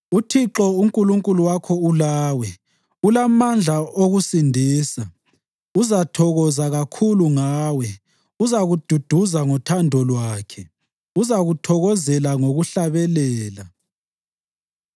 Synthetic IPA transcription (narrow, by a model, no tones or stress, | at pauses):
utʰiǁɔuŋkʼuluŋkʼuluwakʰɔulaːwɛ | ulamand͡ɮʱaoɣusindʱiːsa | uzatʰɔɣɔzaɣakʰuluŋaːwɛ | uzaɣud̥ʱud̥ʱuzaŋɔtʰandʱɔlwaaːkʰɛ | uzaɣutʰɔɣɔzɛlaŋoɣuɬaβɛlɛːla